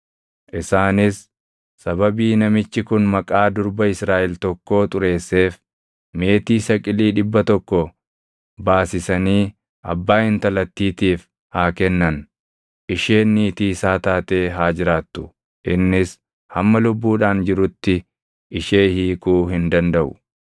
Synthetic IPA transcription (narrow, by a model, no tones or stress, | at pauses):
ʔɪsaːnɪsː | ɐbɐbiːnɐmɪt͡ʃːɪkʊnmɐkʼaːd̪ʊɾbɐɪsɾaːʔɛlt̪ɔkːo̞ːt̪ʼʊɾe̞ːsːe̞ːf | me̞ːt̪iːsɐkʼɪliːᶑɪbːɐt̪ɔkːɔ | baːsɪsɐniː | ʔɐ̰bːaːhɪnt̪ɐlɐt̪ːiːt̪iːf | haːkɛnːɐn | ʔɪʃe̞ːnːiːt̪iːsaːt̪aːt̪e̞ːɦaːd͡ʒɪɾaːt̪ːʊ̥ | ʔɪnːɪs | hɐmːɐlʊbːuːᶑaːnd͡ʒɪɾʊt̪ːɪ | ʔɪʃe̞ːhiːkuːɦɪnd̪ɐnd̪ɐʔʊ̥̰